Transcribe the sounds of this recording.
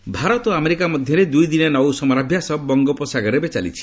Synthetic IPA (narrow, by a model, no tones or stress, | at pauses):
bʱaɾɔt̪ɔameɾikamɔd̪ʱjɔɾed̪ujd̪inɔnɔwsɔmɔɾabʱjasɔbɔŋɡɔpɔsaɡɔɾebet͡ʃalḭt͡ʃʰi̥